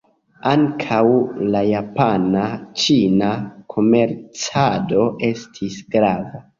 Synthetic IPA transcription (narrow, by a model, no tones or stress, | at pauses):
aŋkʰawlajapanat͡ʃinakʰo̞me̞ɾt͡sado̞ʔe̞stʰisɡɾava